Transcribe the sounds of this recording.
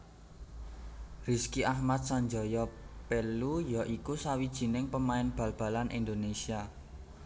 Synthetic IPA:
riskiʔahmat̪̚saɲd͡ʒɔ̤jɔpelujɔʔikusawid̥ʒ̥i̤nɪŋpəmaɪnb̥ä̤lb̥a̤lanʔind̪onesia

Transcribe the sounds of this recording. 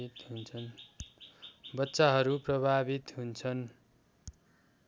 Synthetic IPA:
it̪ɦunt͡sʰʌn | bʌtːsaɦʌɾuprʌbʱabit̪ɦunt͡sʰʌn

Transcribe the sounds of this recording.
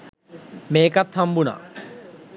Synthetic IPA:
meːkɐt̪ʰːɐmbuna̰

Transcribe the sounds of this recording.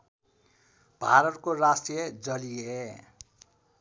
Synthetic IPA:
b̥ʱa̰ɾʌtkorasʈijʌd͡zʌlie

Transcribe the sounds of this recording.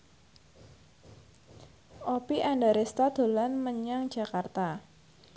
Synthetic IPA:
ʔopiʔandaɾest̪ad̪̥o̤lanməɲaŋ̥ʒ̥ä̤kart̪a

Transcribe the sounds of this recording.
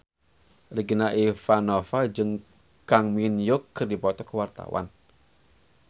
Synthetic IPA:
riɡinaʔifanɔfad͡ʒɨŋ | kaŋminjʊkːərdipɔt̪ɔkəwart̪a̰wa̰n

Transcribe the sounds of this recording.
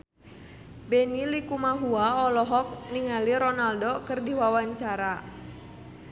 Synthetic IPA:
bɛnilikumaɦuaɔlɔɦɔk̚niŋaliɾɔnaldɔkərdiwawaɲt͡ʃaɾa

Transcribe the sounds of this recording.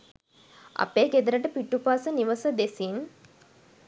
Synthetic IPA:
a̰peːɡed̪əɾəʈəpiʈːupaːsəniʋəsəd̪esin

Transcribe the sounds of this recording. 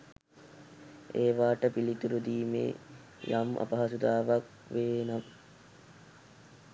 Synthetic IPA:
eːʋaːʈəpilit̪uɾud̪iːmḛː | jamʔa̰pɐɦɐsud̪aːʋak | ʋeːnam

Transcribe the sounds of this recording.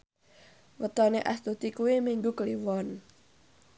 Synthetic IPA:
wət̪ɔneʔa̰st̪ut̪ikuwimiŋɡukəliwɔn

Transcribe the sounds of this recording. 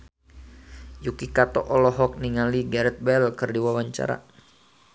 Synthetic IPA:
jukikat̪ɔ̰ʔɔlɔɦɔk̚niŋaliɡaɾɛt̪̚bɛlkɨrdiwawaɲt͡ʃa̰ɾa̰

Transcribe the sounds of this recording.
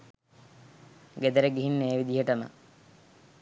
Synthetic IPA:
ɡed̪əɾeɡiɦinːeːʋid̪iɦəʈəmə̰

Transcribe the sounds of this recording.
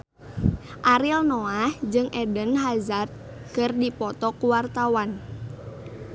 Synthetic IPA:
ʔaɾilnoahd͡ʒɨŋʔɛdənɦazat̪̚ | kɨrdipɔt̪ɔkuwart̪awan

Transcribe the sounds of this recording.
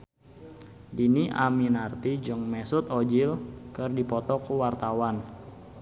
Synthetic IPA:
diniʔa̰minart̪id͡ʒɨŋmɛsʊt̪ɔd͡ʒilkɨrdipɔt̪ɔkuwart̪awan

